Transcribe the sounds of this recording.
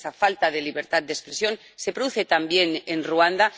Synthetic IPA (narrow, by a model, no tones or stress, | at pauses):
safalt̪aðeliβe̞ɾt̪at̪̚d̪espɾesjo̞n | se̞pɾouθe̞t̪ambje̞nenruand̪a